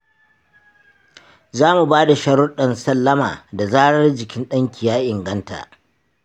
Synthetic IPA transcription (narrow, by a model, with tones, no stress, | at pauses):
zaː˦mu˨baː˦da˨ʃɐ˦ɽʊ˦ɗɐ˨nsɐ˦lːɐ˦maː˨da˨zaː˦ɽɐ˦rd͡ʒɪ˨kʲɪ˦nɗɐ˦ŋkʲɪ˨jaː˦ʔɪ˨ŋɡɐ˦nta̰ː˨ʔ